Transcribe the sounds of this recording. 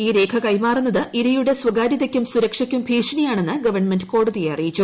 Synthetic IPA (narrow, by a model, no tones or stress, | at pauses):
iːɾe̞ːkʰɐkɐjmaːrunːɐðɨʔiɾɐjuɽe̞sʋɐɡaːɾiðɐkʲːumsuɾɐkʂɐkʲːumpʰiːʂɐnɐjaːɳe̞nːɨɡɐʋɐɳmendɨko̞ːɽuðijeɐrijit͡ɕːu